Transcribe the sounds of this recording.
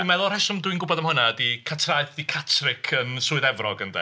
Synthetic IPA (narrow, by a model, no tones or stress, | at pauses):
mɛðʊlˠrɛʃɔmdwinɡʊbɔdəmhʊnaədikʰatʰraɨθikʰatʰrɪkʰənsuːɨðɛvrɔɡəndɛ̰